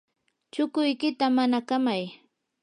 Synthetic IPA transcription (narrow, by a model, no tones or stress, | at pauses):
t͡ʃʊkʊjkɪt̪amanakamaj